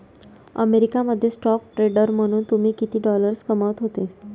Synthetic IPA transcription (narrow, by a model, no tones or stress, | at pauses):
ə̰meɾikaməd̪ʱːjesʈɔkʈɾeɖəɾm̤əɽ̃uːnt̪um̤iːkit̪iːɖɔləɾskəməʋt̪ɦot̪e